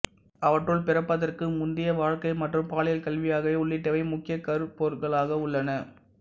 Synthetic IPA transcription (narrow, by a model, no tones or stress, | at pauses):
ɐʋɐʈːrɯɭpɪɾɐpːɐðɐrkɯmʊnd̪ɪjɐʋaːɻkɐɪmɐʈrɯmpaːlɐjɐlkɐlʋɪjaːɣɐʋeːʊɭːɪʈːɐʋɐɪmʊkːɪjɐkːɐɾɯpːoːɾɣɐɭaːɣɐʊɭːɐnɐ